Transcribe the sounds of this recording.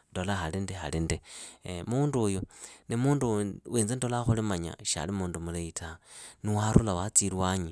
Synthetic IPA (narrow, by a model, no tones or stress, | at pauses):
ndolaxalindexa̰lindemuːndujunimuːnduweːnd͡zendolaxulimaɲa̰ʃa̰limuːndumuleitʰaniwaɾṵlawat͡silwaɲi